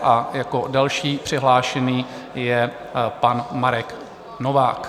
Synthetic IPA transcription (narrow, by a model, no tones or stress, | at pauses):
ʔajako̞dalʃiːpr̝̥ɪɦlaːʃɛniː | jɛ | panmaɾɛk | novaːk